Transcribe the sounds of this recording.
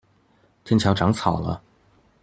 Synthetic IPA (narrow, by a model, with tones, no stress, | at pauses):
t̪ʰjɛ˥˧nt͡ɕʰjɑ˧˥ʊʈ͡ʂɑ˧˥ŋt͡sʰɑ˨˩ʊlə̰˦